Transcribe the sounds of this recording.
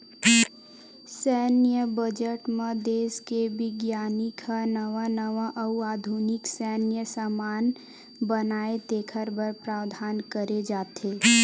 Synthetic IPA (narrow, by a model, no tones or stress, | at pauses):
sɛːnjəbəd͡ʒəʈmẽd̪eːskeʋɪɡjaːnikʰanəʋanəʋãʔəwaːd̪ʱunɪksɛːnjəsəmaːn | bənaːet̪eːkʰəɾbəɾpɾaːwd̪ʱaːnkəɾed͡ʒaːt̪eː